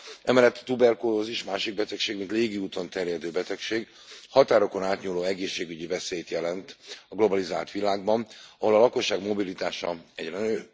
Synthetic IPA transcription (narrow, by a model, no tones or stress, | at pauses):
ɛmɛlɛt̪ːt̪ubɛrkoːɦoziʃmaːʃiɡ̚bɛt̪ɛkʃeːɡmint̪leːɡiuːt̪o̞nt̪ɛrjɛd̪øːbɛt̪ɛkʃeːɡ | hɒt̪aːɾo̞ko̞naːt̪ɲuːloːɛɡeːʃːeːɡyɟivɛseːjt̪jɛlɛnt̪ɒɡlo̞bɒlizaːlt̪ʋilaːɡbɒnɒɦo̞lɒlɒko̞ʃːaːɡmo̞bilit̪aːʃɒ̰ɛɟrɛnøː